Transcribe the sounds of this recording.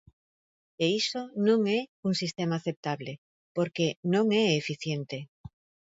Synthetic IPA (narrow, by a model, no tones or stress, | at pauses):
eisonõŋɛuŋsist̪emaːθep̚t̪aβle | poɾkenõŋeefiθjent̪e